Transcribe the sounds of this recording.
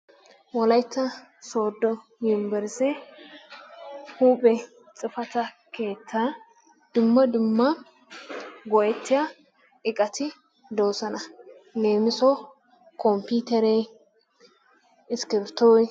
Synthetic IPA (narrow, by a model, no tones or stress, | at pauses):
wɔlɐjt̪ːɐ | so̞ːd̪ːɔ | jɪmbɛɾsɛ | huːpʼɛ | t͡sʼɪfɐt̪ɐ | ke̞ːt͡sːɐ | d̪̥ʊmːɐd̪ʊmːɐ | ɡɔʔɛt̪ːɪjɐ | ɪkʼɐt̪ʰɪ | d̪o̞ːsɐnɐ | le̞ːmɪsɔ | kɔmpiːt̪ɛɾe | ɪskɪɾt̪ːɔːj